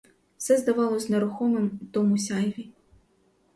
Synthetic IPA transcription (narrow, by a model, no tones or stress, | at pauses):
fsʲɛzd̪avalˠɐzʲnɐɾuxɔmɨmt̪ɔmusʲajvʲi